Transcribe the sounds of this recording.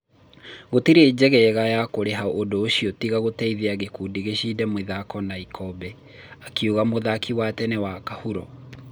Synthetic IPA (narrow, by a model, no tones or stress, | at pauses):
ɣotiɾeːd͡ʑɛɣɛɣajakoɾeɦaoʔondoːɕiɔtiɣaɣotɛiðeaɣekuːdiɣeɕidɛmweðakɔnaikʰɔbɛ | akeuɣamoðakʰiwatɛnɛwakahuɾɔ